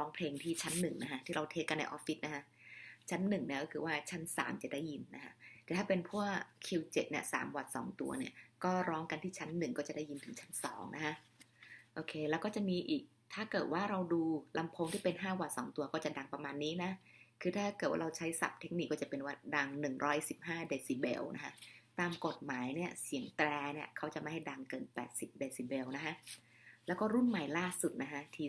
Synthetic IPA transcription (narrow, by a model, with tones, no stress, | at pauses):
ɾɔː˦˥ŋpʰleː˧ŋt̪ʰiː˥˩t͡ɕʰa˦˥nːɯ˨˩ŋna˦˥kʰa˦˥t̪ʰiː˥˩ɾa˧wt̪ʰeː˦˥kːa˧nːa̰˧jʔɔː˦˥fːi˦˥t̪̚na˦kʰa˦˥t͡ɕʰa˦˥nːɯ˨˩ŋni˦˥˩kɔː˥˩kʰɯː˧˩waː˥˩t͡ɕʰa˦˥nsa̰ː˩˦mt͡ɕa˨˩daː˥˩ji˧nːa˦˥kʰa˦˥t̪ɛː˨˩t̪ʰaː˥˩pe˧npʰu˥˩əkkʰi˧wt͡ɕe˨˩t̪̚ni˥˩ɐsa̰ː˩˦mwa˨˩t̪̚sɔ̰ː˩˦ŋt̪ṵ˧ɐni˥˩ɐkɔː˥˩ɾɔː˦˥ŋka˧nt̪ʰiː˥˩t͡ɕʰa˦˥nːɯ˨˩ŋkɔː˥˩t͡ɕa˨˩da˥˩ji˧nt̪ʰɯ˩˦ŋt͡ɕʰa˦˥nsɔ̰ː˩˦ŋnʔa̰˦kʰa˦˥ʔ | ʔoː˧˩kʰeː˧lɛː˦˥wkɔː˥˩t͡ɕa˨˩miː˧ʔiː˨˩k̚t̪ʰaː˥˩kɤː˨˩t̪̚waː˥˩ɾa˧wduː˧la˧mpʰo˧ŋt̪ʰiː˥˩pe˧nɦaː˥˩waː˨˩sɔ̰ː˩˦ŋt̪u˧ɐkɔː˥˩t͡ɕa˨˩da˧ŋpa˧maː˧nːiː˦˥na˦˥kʰɯː˧t̪ʰaː˥˩kɤ˨˩t̪̚wa˥˧ɾa˧wt͡ɕʰa˦˥jsa̰˨˩p̚t̪ʰe˦˥k̚ni˨˩kːɔː˥˩t͡ɕa˨˩pe˧nwa˧˩nda˧ŋnɯ˨˩ŋɾʔɔː˦˥jsi˨˩p̚haː˥˩deː˧siː˧˩bḛ˧wnʔa̰˦˥kʰa˦˥t̪aː˧mko˨˩t̪̚maː˩˦jni˥˩ɐsi˨˩˦əŋt̪ɾɛː˧ni˥˩ɐkʰa˦˥wt͡ɕa˨˩ʔma˥˩ha˥˩jda˧ŋkɤː˧˩npɛ̰ː˨˩t̪̚si˨˩p̚deː˧si˧˩be˧wna˦˥kʰa˦˥ʔ | lɛ˦˥wkɔː˥˩ɾu˥˩nma˨˩jlaː˥˩su˨˩t̪̚na˦˥kʰa˦˥t̪ʰiː˧